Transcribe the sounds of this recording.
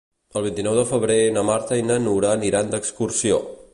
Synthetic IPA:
əlˠβ̞int̪inɔwðəfəβɾenəmaɾt̪əinənuɾaːniɾand̪əkskursio̰

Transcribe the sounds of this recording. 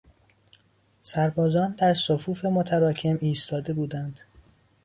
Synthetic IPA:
sæɾbɒːzɒːnd̪æɾsofuːfe̞mot̪ʰæɾɒːcʰe̞miːst̪ʰɒːd̪e̞buːd̪ænd̪̥

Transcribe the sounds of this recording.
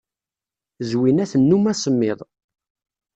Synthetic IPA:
zwinæθənːumæsˤəmːɪðˤ

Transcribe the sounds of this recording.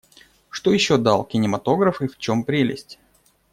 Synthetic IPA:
ʂt̪o̞jɪɕːo̞d̪alˠkʲɪnʲɪmɐt̪o̞ɡɾəfɨft͡ɕo̞mpɾʲelʲɪ̰sʲtʲ

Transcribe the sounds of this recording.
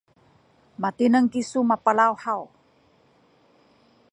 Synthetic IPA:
mat̪inəŋkisumapalawhaw

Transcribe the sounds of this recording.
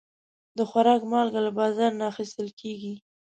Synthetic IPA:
d̪əxwaɾɑkmɑlɡalabɑzɑɾnaːxist̪əlkʰeɡi

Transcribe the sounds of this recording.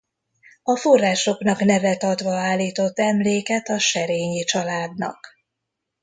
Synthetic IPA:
ɒfo̞rːaːʃo̞knɒknɛvɛt̪ɒt̪ʋɒaːlːiːt̪o̞t̪ːɛmleːkɛt̪ɒʃɛɾeːɲit͡ʃɒlaːd̪nɒ̰k

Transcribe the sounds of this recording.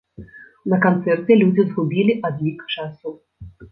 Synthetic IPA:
nɐkɐnt̪sɛrt̪ʲɪlʲud͡zʲizɦʊbʲilʲiʔɐd̪jikt͡ʃasʊ

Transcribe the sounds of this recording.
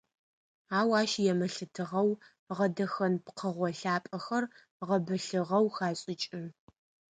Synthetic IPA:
aːwaːʃjɛmɐɬɨtʰɨʁɐw | ʁɐdɐxɐnpqʰəʁʷɔɬaːpʼɐxɐr | ʁɐbɨɬɨʁɐwxaːɕʼɪt͡ʃʼɪn

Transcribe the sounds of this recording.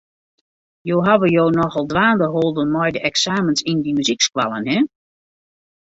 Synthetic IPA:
jowɦaʋəjoːnɔxɔlˠdʋaːndəɦolˠdənmɔjdəʔɛksaːmənsindimyzikskwa̰lˠənɦɛ

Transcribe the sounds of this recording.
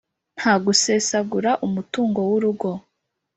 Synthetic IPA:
n̥haːɡuse̞ːsaɡuɾaʔumutuːŋɡo̞wuɾuɡo̞

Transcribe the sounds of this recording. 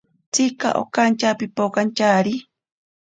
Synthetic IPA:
t͡sika̰ʔo̰kant͡ʃapipokant͡ʃaɾi

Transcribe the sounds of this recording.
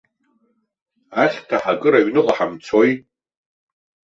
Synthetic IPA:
aχʲtʰaħakʼɨɾaɥnɨqʼaħamt͡sʰo̞jʼ

